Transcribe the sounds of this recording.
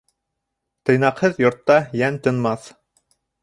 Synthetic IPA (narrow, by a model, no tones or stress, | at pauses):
t̪ɤ̆jnɑqhɤðjŏɾt̪ːɑjænt̪ɤ̆nmɑθ